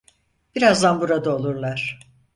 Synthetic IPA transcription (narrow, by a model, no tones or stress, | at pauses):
b̥iɾazd̪anbuɾad̪aolˠuɾlˠaɾ̥